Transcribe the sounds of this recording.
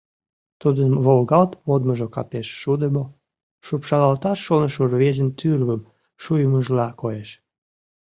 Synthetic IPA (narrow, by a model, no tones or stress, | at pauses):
t̪ud̪ənβolɣɑlt̪mod̪məʒokɑ̰peʃːud̪əmo | ʃupʃɑlɑlt̪ɑʃːonəʃurβezənt̪yrβəm | ʃujəməʒlɑkojeʃ